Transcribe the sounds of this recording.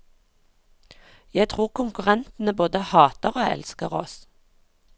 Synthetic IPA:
jæɪt̪ʰʁuːʁkʰʊŋkʉʁɛnt̪n̩əboːd̪əhɑːt̪əʁoːɛ̰lskəʁɔ̰s

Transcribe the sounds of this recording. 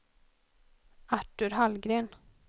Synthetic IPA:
aʈːɵɾɦalɡɾeːn

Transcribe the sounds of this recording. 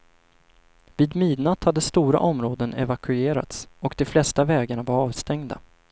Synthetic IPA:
viːd̪myːd̪nat̪had̪ːəst̪uːɾa̰ʔɔmɾoːd̪ənɛ̰vakʰɵeːɾa̰t̪sɔkd̪ɛflɛst̪avɛːɡaɳavaɾɑːvst̪ɛŋd̪a̰

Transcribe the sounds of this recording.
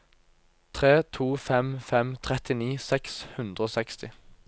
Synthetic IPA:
t̪ʰʁeːt̪ʰuːfɛmfɛmt̪ʰʁɛt̪ɪniːsɛkshʉnd̪ʁəoːsɛkst̪ɪ

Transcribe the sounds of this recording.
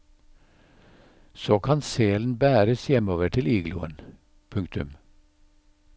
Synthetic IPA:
soːkʰɑnseːln̩bæːɾəsjɛmoːʋəʈʰɪliːɡlṵːə̰n | pʰʉŋkt̪ʉm

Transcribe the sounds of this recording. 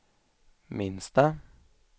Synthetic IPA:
mɪnst̪ə

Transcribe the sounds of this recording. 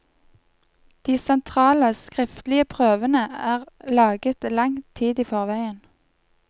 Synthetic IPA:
d̪̥iːsɛnt̪ʰʁɑːləskʁɪft̪l̩ɪəpʰʁøːʋənəæːʁlɑːɡət̪lɑŋt̪ʰiːd̪iːfɔʁʋæɪən

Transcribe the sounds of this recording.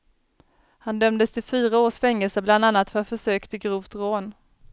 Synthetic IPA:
hand̪œmd̪əst̪ʰɪfyːɾaoːʂfɛŋːəlsəbland̪anːat̪fœɾat̪fœʂøːkt̪ʰɪɡɾuːvt̪ɾoːn

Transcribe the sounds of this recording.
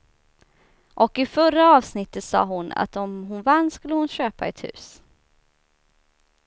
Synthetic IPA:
ʔɔkɪfœraɑːvsnɪt̪ːət̪sɑ̰ːɦʊna̰t̪ɔmɦʊnvanːskɵlːəhʊnɕøːpaɛt̪hʉ̟̰ːs

